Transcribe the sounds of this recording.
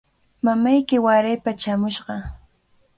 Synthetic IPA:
mamajkɪwaɾajpat͡ʃamʊʃɢɑ

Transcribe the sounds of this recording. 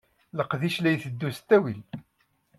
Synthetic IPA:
ləqðiʃlæjθəd̪ːust̪ːæwil

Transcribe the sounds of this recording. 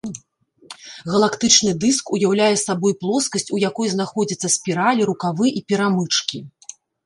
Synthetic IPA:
ɣɐlˠakt̪ɨt͡ʂnɨd̪ɨskujawlʲajɛsabɔjplˠɔskɐsʲt͡sʲujakɔjznaxɔd͡zʲɐt̪sːɐsʲpʲiɾalʲiɾukavɨʔipʲiɾamɨt͡ʂkʲi

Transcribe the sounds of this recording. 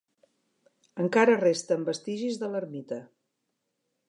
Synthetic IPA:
əŋkaɾərest̪əmbəst̪iʒizðələɾmit̪ə

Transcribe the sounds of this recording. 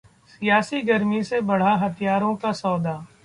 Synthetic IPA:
sijaːsiɡɐɾmisebɐɽ̤aɦɐt̪ʰijaːɾõkasɔːd̪aː

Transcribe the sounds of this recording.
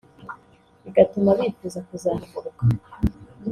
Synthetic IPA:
iɡatumaβifuzakuzaːnaɡuɾuka

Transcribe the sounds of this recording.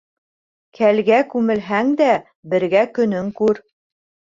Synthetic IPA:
kʰælɡækʉmɘ̆lɦæŋd̪æ | bɘ̆ɾɡækɵ̆nɵŋkʉɾ

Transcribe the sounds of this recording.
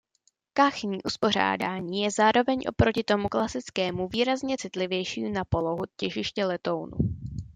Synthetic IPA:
kaxɲiːʔuspo̞r̝a̰ːda̰ːɲiːjɛzaːɾo̞vɛɲʔo̞̰pɾo̞cɪt̪o̞muklasɪt͡skɛːmuviːɾazɲɛt͡sɪt̪lɪvjɛjʃḭːnapo̞lo̞ɦucɛʒɪʃcɛlɛt̪o̞wnṵ

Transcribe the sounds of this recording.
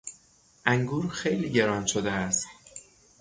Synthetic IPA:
ʔæŋɡuːɾxejliːɟe̞ɾɒːnʃod̪eæst̪̚

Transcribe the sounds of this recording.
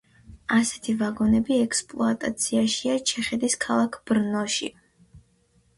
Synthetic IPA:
asɛ̥t̪ʰivaɡɔnɛbiɛkspʼlˠɔ̰at̪ʼat̪sʰiaʃiat͡ʃʰɛχɛd̪iskʰalˠakʰb̥ɾnɔʃḭ

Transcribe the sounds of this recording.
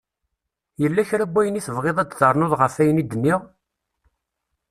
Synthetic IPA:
jəlːæçɾæɡʷːæjəniθəvʁeðˤæd̪ðəɾˤnoðˤʁəfæjənid̪ənːiʁ

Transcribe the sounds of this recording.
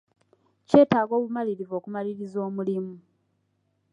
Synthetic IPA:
ce̞ːtaːɡo̞ːβumaliɾivo̞ːkumaliɾizo̞ːmulimu

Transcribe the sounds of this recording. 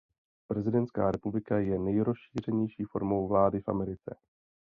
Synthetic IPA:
pɾɛzɪdɛnt̪ska̰ːɾɛpublɪkajɛnɛjɾosʃiːr̝ɛɲɛjʃiːfo̞̰ɾmo̞wvlaːdɪfʔa̰mɛɾɪt͡sɛ̰

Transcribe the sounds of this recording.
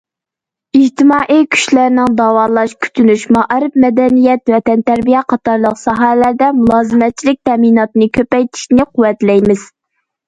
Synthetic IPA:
id͡ʒt̪ɪmɑːʔikʲʰy̥ʃlæɾnɪŋd̪ɑːwɑːlˠɑʃkʲʰy̥t̪ʰynyʃmɑʔæɾɨp̚mɛd̪ɛnijɛt̪wɛt̪ɛnt̪æɾbijɛqʰɑt̪ɑɾlˠəqsɑɦɛhɛlæɾd̪ɛmulˠɑːzɨmɛt̪̚t͡ʃʰilɪk̚ʲt̪ʰɛminɑt̪ɨnɨkʲʰøpɛjt̪ʰi̥ʃnɪqʰʊwːɛt̪lɛjmɪz̥

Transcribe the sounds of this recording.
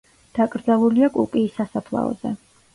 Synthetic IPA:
d̪̥akʼɾd̪zalˠuliakʼṵpʼiːsasapʰlˠa̰ɔ̰z̥ɛ̰

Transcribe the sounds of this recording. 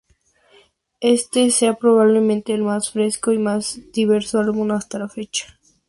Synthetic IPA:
e̞st̪eseapɾo̞β̞aβ̞le̞mẽnt̪e̞ːlmasfɾe̞skoimazd̪̥iβ̞e̞ɾsoalβũnast̪alafe̞t͡ʃḁ

